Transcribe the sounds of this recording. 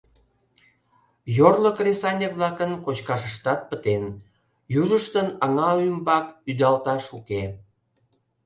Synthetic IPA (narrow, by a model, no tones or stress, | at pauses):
jorləkrʲesɑnʲekβlɑkənkot͡ɕkɑʃəʃt̪ɑt̪̚pət̪en | juʒəʃt̪ənɑŋɑymbɑkyd̪ɑlt̪ɑʃuke